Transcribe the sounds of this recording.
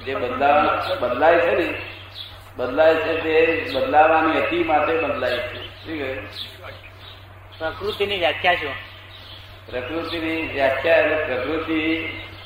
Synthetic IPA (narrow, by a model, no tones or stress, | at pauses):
d͡ʒebəd̪labəd̪lajt͡ʃʰeni | bəd̪lajt͡ʃʰet̪ebəd̪laʋaniət̪imat̪ʰebəd̪lajt͡ʃʰeʈʰiːkʰə | pɾəkɾut̪iniːʋjakʰjaɕu | pɾəkɾut̪iniʋjak̪ʰjalepɾəkɾut̪i